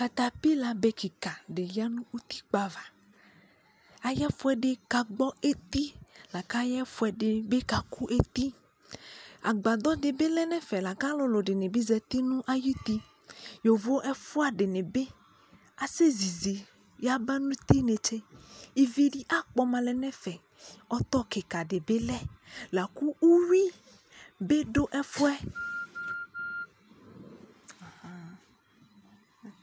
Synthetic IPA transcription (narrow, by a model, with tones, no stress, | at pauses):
ka˨t̪a˨pi˦la˨be˦ki˨ka˨ɖe˨ja˦nũ˦u˦t̪i̥˦k͡pa˨va˨ | a˨jɛ˦fu˦ɛ˨ɖe˦ka˨ɡ͡bɔ˦ʔe˦t̪i˦la˨ka˦jɛ˦fu˦ɛ˨ɖe˨be˦ka˨ku˦ʔe˦t̪i˦ | a̰˨ɡ͡ba˨d̪ɔ˦d̪e˨be˦lɛ˦nɛ̃˦fɛ˨la˨ka˦lo˦lo˨ɖe˨nẽ˨bi˦zɛ˨t̪i˦nũ˦ʔa˦ji˦t̪i˦ | jo˨vo˦ʔɛ˦fu˦a˨ɖe˨nẽ˨be˦ | a˨se˦zi˨zi˨ | ja˦ba˦nũ˦t̪i˦nẽ˨t͡ʃe˦i˨vi˦ɖi˦ʔa˦k͡pɔ˦mã˨lɛ˨nɛ̃˦fɛ˨ | ɔ˦t̪ɔ˦ke˨ka˨ɖe˨be˦lɛ˦la˨ku˦u˦wi˦ | be˦ɖo˦ʔɛ˦fu˦ɛ˦˨